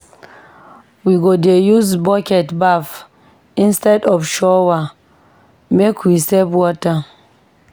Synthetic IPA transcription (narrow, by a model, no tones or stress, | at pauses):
wiɡodejuzbɔkɛtbaf | ĩnstɛdɔfʃɔwa | mekʰwisɛbwɔta